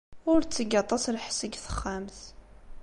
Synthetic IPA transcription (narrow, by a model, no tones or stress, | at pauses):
ʊɾt͡sːəɡɑt̪ˤːɑslħsəɡθə̥χːams